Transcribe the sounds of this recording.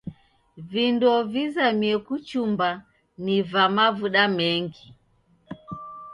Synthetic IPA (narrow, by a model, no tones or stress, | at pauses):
vindɔvizamiɛkut͡ʃumba | nivamavuɗamɛŋɡi